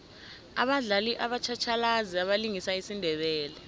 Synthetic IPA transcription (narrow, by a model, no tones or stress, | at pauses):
a̰ɓaɮaliʔaɓat͡ʃʰat͡ʃʰalaziaɓaliŋisaisindʱɛɓɛːlɛ